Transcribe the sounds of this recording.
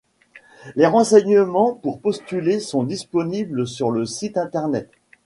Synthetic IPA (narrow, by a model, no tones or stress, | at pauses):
leʁɑ̃sɛɲəmɑ̃puʁpɔst̪ylesɔ̃d̪ispɔnibləsyʁləsit̪ɛ̃t̪ɛʁnɛt̪